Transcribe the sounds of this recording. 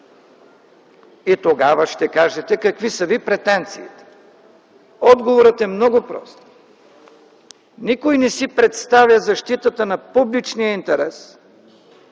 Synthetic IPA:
it̪oɡavɐʃt̪ɛkaʒɛt̪ɛkɐkvisɐvipɾɛt̪ɛnt̪siːt̪ɛ̥ | ɔd̪ɡovoɾət̪ɛmnɔɡʊpɾɔ̰st̪ | nikojnɛsipɾɛt̪st̪avʲjɐzɐʃt̪it̪ət̪ənɐpublit͡ʃnijəint̪ɛɾɛs

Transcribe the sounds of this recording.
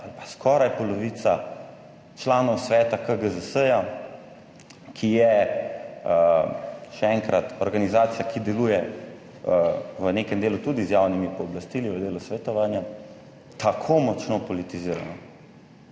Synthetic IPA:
alpḁskʰɔːɾajpɔlɔʋit̪sa | t͡ʃlaːnɔwsʋɛːt̪akəɡəzəsəja | kʰijɛ | ʃɛɛːŋkɾat̪ɔɾɡanizaːt̪sijakid̪ɛlujɛ | ʋəneːkɛmd̪eːlut̪ud̪izjaːwnimipɔːblast̪iliʋəd̪eːlusʋɛt̪ɔʋaːnja | t̪akʰomɔt͡ʃnɔpɔlit̪iziːɾa̰na

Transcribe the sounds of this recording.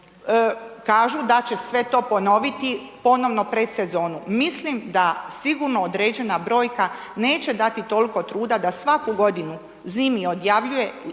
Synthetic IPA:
kaːʒud̪at͡ɕe̞sʋe̞t̪o̞ːpo̞no̞ʋit̪ipo̞no̞ʋno̞pɾe̞d̪se̞zo̞ːnumislimd̪asiɡuɾnood̪ɾeːd͡ʑe̞nabɾo̞ːjka | ne̞ːt͡ɕe̞d̪at̪it̪o̞liko̞t̪ɾuːd̪ad̪asʋakuɡo̞d̪inu | ziːmio̞d̪jaʋʎuje̞

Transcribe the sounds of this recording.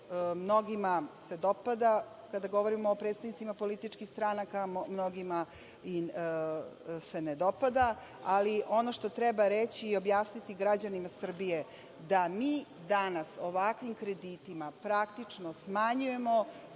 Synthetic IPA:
mno̞ɡimase̞d̪o̞pad̪a | kad̪aɡo̞ʋo̞ɾimoːpɾet̪st̪adnit̪imapo̞lit̪it͡ʃkixst̪ɾanakammnoɡima | i | se̞ned̪o̞pad̪a | aliʔo̞no̞ʃt̪ot̪ɾɛbaɾet͡ɕiio̞bjaːsnit̪iɡɾad͡ʑanimasr̩bije | d̪amiː | d̪anaso̞ʋakʋimkɾe̞d̪it̪imapɾakt̪it͡ʂnosmaɲuje̞mo̞

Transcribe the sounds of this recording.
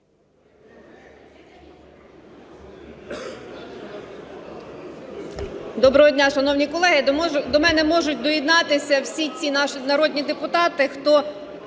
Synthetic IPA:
d̪ɔbɾɔɦɔdʲnʲaʃɐnɔwnʲikɔlˠɛɦɪd̪ɔmɛnɛmɔʒʊtʲd̪ɔjid̪nɑt̪ɪsʲɐwsʲit͡sʲinɑʃnɐɾɔd̪ʲnʲid̪epʊt̪ɑt̪ɪxt̪ɔ

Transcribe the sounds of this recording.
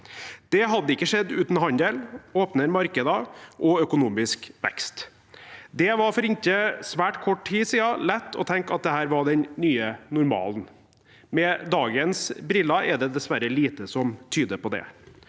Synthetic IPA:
d̪̥ɛɦɑd̪ːəɪkːəʂɛd̪ːʉːt̪n̩ɦɑnd̪eːloːpnəɾmɑɾkəd̪əʔɔœkʊnuːmɪskʋɛ̰kst̪ | d̪ɛʋɑɾfɔɾɪntəsʋæːʈkʰɔʈʰiːsiːɑlɛt̪ːɔ̰t̪ʰɛŋkɑt̪̚d̪ɛhæːɾʋɑɖɛnnyːənʊɾmɑ̰ːln | mɛd̪ɑːɡənsbɾɪlːɑɛd̪ɛd̪ɛsʋæɾəliːt̪əsɔmt̪ʰyːd̪əpʰɔd̪ɛ̰

